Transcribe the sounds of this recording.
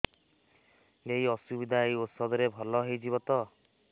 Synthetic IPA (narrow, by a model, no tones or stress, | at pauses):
eɦjɔsubid̪ʱaejut̪sɔd̪ɔɾebʱɔlɔɦejd͡ʒiβɔt̪ɔ